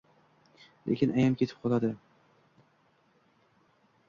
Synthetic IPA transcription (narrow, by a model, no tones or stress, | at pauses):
lʔḛkʲɪnajamkʲʰet̪ʰɪ̥p̚qʰɒlˠad̪ɪ